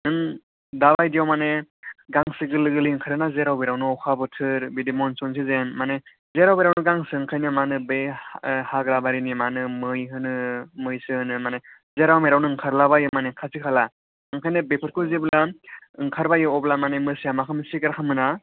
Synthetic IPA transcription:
ɯn | dabajdijawmaneɡaŋsɯɡɯlɯɡɯliɯŋkʰaɾɯnazeɾawbeɾawnɯɔkʰabɯtʰɯɾbidimɔnsɔns̬izenmane | zeɾawbiɾawnɯɡaŋsɯŋkʰajnɯmanɯbehaɡɾabaɾinimanɯmɯjɦɯnɯmɯjsɯɯnɯmane | zeɾawmeɾawnɯɯŋkʰaɾlabajɯmanekʰasikʰala | ɯŋkʰajnɯbepʰɯt̚kʰuzeblaɯŋkʰaɾbajɯɔblamanemɯsijamakʰamsiɡaɾakʰamɯna

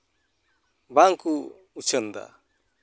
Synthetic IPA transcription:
baŋku | ut͡ʃʰənd̪a̰

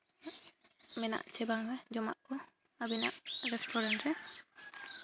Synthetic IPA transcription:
mɛna̰ʔt͡ʃʰɛbaŋɾɛd͡ʒɔmaʔɔ | abina̰ʔɾɛsʈʰɔɾɛɳʈɾɛ

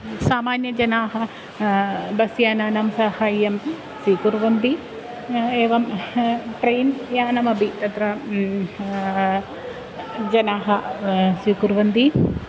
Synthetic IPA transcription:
saːmaːnjɐd͡ʒɐnaːɦɐ | bɐsjaːnaːnamsɐhaːjjɐm | siːkuɾʋɐnd̪i | eːʋɐmʈɾejnjaːnɐmɐbʱit̪ɐt̪ɾɐ | d͡ʒɐnaːɦɐsikuɾʋɐnd̪i

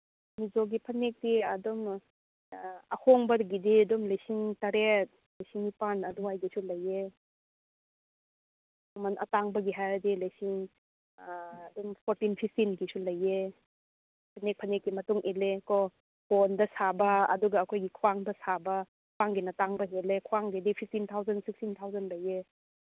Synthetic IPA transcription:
mizoɡipʰɐnek̚diɐdɔm | ɐhoŋbɐɾɡididɔmlajsiŋtaɾet̚ | lajsiŋipanɐduajɡisulɐje | ɐmanɐ̰taŋbɐɡiɦajɾdilajsiŋ | dumpʰoɾtinpʰip̚ʰtinɡisulɐje | pʰɐnek̚pʰɐnekːimɐtuŋʔelekɔ | hondɐsabɐɐ̰duɡɐːkʰojɡikʰwwaŋdɐsabɐ | paŋɡinɐtaŋbɐɦelekʰwaŋɡidipʰip̚tint̪ʰawzɐnsikstint̪ʰawzɐnlɐje

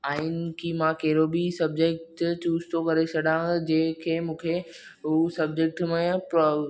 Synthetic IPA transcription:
aːɦɪnɪkʰiːmãkɐɦɪɾobisɐb̚d͡ʑek̚ʈt͡ɕuːzt̪ʰokɐɾesɐɗãːd͡ʑẽːɦkʰeːmũːkʰe | ɦusɐb̚d͡ʑek̚ʈmẽp

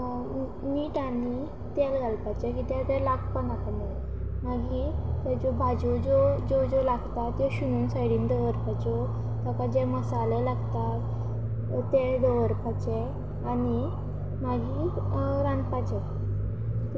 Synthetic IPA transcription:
niːʈani | t̪ɛlɡʱalpat͡ɕɛkit̪ɛ̃t̪ɛlaɡpənak̪ne | maɡit̪ɛd͡zobʱad͡zod͡zod͡zod͡zolaɡt̪at̪jɔɕuñuːnsajɽiːnd̪əʋəɾpat͡ɕɔ | t̪əkad͡ʑɛməsalɛlaɡt̪at̪ | t̪ɛd̪əʋəɾpat͡ɕe | ani | maɡi | ɾãnd̪pat͡ɕɛ

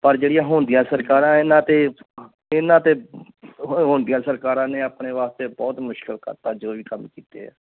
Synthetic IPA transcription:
pəɾd͡ʒeːɽɪjãːɦʊ̃ːnd̪ɪjãːsəɾkaːɾãːɪnãːt̪eː | ɪnãːt̪eː | ɦõːnd̪ɪjãːsəɾkaːɾãːneːəpneːʋaːst̪eːbɔːt̪mʊʃkəlkə̰ɾt̪aːd͡ʒoːʋiːkəmkiːt̪ḛːɛ̰ː

